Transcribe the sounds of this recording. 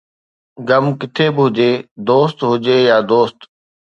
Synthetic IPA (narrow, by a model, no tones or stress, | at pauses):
ɡəmkɪt̪ʰeːbɪɦʊd͡ʑeːd̪oːst̪ɦʊd͡ʒeːjaːd̪oːst̪